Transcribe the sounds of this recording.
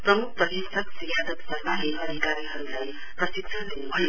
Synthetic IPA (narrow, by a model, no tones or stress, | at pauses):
prʌmuk̚ʰprʌd̪ʱesʌksijad̪ʌt̪sʌrmaɦeʔʌd̪ʱikaɾiɦʌɾulaj | prʌsik̚t͡sʰʌnd̪enubʱʌj